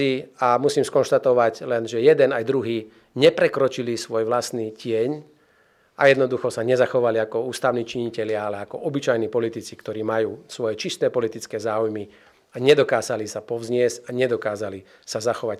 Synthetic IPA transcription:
iamusiːmskɔnʃt̪at̪ɔʋaɟlɛnʒɛjɛd̪ɛnajd̪ɾuɦiː | ɲɛpɾɛkɾɔt͡ʃilisʋɔjʋlast̪niːcɪɛɲ | a̰jɛd̪nɔd̪uxɔsaɲɛzaxɔʋaliakɔuːst̪aʊniːt͡ʃiɲicɛlɪaalɛakɔʔɔbit͡ʃajniːpɔlit̪it͡sikt̪ɔɾiːmajuːsʋɔjɛt͡ʃist̪ɛːpɔlit̪it͡skɛːzaːujmi | aɲɛd̪ɔkaːzalisapɔʋzɲɪɛzaɲɛd̪ɔkaːzali | sazaxɔʋac

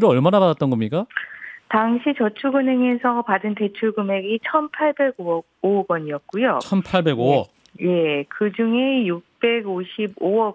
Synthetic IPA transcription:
ɾɯʌɭmanabadat͈̚ʌnɡʌmɲik͈ataŋɕʰit͡ɕʌt͡ɕʰuɡɯnɦeŋe̞sʰʌpadɯnte̞t͡ɕʰuɭɡɯme̞ɡit͡ɕʰʌnpʰaɭbe̞ɡoʌ | oɡwʌɲiʌt̚k͈ujot͡ɕʰʌnpʰaɭbe̞ɡowʌ | je̞kɯd͡ʑuŋe̞juk̚p͈e̞ɡoɕʰibowʌ

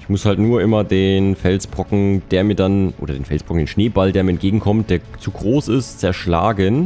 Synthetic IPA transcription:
ɪçmʊshaltnuːɐʔɪmɐdeːnfɛlsb̥ʁɔkŋ̩d̥eːɐmiːɐdanʔo̰ːdɐdeːnfɛlsb̥ʁ̥ɔkŋ̩d̥eːnʃneːbaldeːɐmiːɐɛntɡ̥eːɡŋ̩kʰɔmt̚d̥eːɐt͡suɡʁoːsɪstt͡sɛɐʃla̰ːɡən

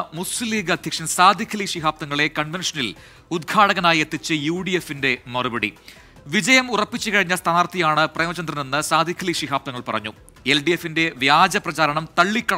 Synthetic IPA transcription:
musɨlːiːɡɐd̪ʱjɐkʂɐmsaːd̪ʱikʰːɐliʂiɦaːp̚t̪ɐŋːɐɭe̞kɐɳʋenʂɐnil | ud̪̚ɡʰaːɽɐɣɐnaːje̞t̪ːit͡ɕːɨjuːɽijefːinde̞mɐrubɐɽḭ | ʋid͡ʑɐjɐmurɐpːit͡ɕːukɐɻiɲːɐst̪ʰaːnaːrt̪ʰijaːɳɨprejmɐt͡ɕːɐnd̪rɐnenːɨsaːd̪ʱikʰːɐliʂiɦaːpt̪ɐŋːɐɭpɐrɐ̰ɲːu | elɖijefːinde̞ʋjaːd͡ʑɐprɐd͡ʑaːɾɐɳɐmt̪ɐɭːikːɐ

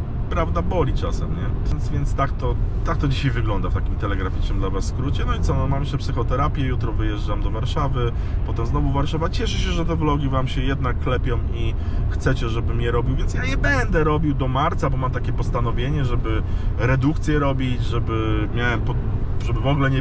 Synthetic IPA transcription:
pɾavd̪abɔlʲit͡ʂasɛ̰mɲɛɛnsvʲjɛnt̪st̪akt̪ɔt̪ak̚t̪ɔd͡ʑiɕajvɘɡlɔnd̪aft̪akʲimt̪ɛlɛɡɾafʲit͡ʂnɘmd̪lavasːkɾut͡ɕɛnɔit̪ɔnɔmamɕɛpsɘxɔt̪ɛɾapʲjɛjut̪ɾɔvɘjɛʐamd̪ɔvaɾʂavɘpɔt̪ɛmznɔvuvaɾʂavat͡ɕɛʂɘɕɛʐɛt̪ɛvlɔɡʲivamɕɛjɛd̪̚nakːlɛpʲjɔ̃wixt̪sɛt͡ɕɛʐɛbɘmɲɛɾɔbʲiwvʲjɛntsjaɲɛbɛnd̪ɛɾɔbʲiwd̪ɔmaɾt̪sabɔmamt̪akʲɛpɔst̪an̪ɔvʲjeɲɛʐɛbɘɾɛd̪ukt̪sʲjɛɾɔbʲid͡ʑʐɛbɘmʲjawɛmpɔ | ʐɛbɘvɔɡlɛɲɛ

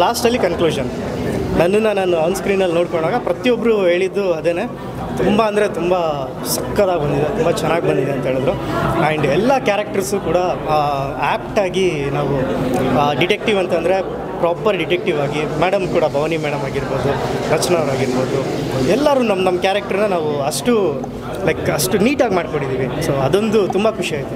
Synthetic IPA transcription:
laːsʈɐlːikɐnkluːʃɐn | nɐnːunːanaːnuɐːnskɾiːnːɐlnoːɽkoɳɖaːɡɐpɾɐt̪ijɔbːɐɾuɦe̞ːɭid̪ːuɐd̪eːneː | t̪umbɐɐnd̪ɐɾe̞t̪umbɐ | sɐkːɐd̪aːɡbɐnd̪id̪et̪umbɐt͡ʃɛnːaːɡbɐnd̪id̪eɐnt̪ɐɦeːɭd̪ɾuɐɳɖɛlːɐkjaːɾɐk̚ʈɐɾsukuːɽɐ | aːpʈaːɡinaːʋu | ɖiʈek̚ʈiʋɐnt̪ɐnd̪ɾe̞ | pɾaːpɐɾɖiʈek̚ʈiʋaːɡimeːɽɐmkuːɽɐbʱɐʋɐnimeːɽɐmaːɡiɾbo̞ːd̪uɾɐt͡ʃnɐʋɐɾaːɡiɾbo̞ːd̪uɛlːaːɾuːnɐmːnɐmːɐkjaːɾɐk̚ʈɐɾnɐnaːʋuɐʂʈu | lɐjkɐʂʈuniːʈaːɡmaːɖko̞ɳɽɖid̪iːʋiso̞ːɐd̪ond̪ut̪umbɐkʰuʂiaːɡit̪u

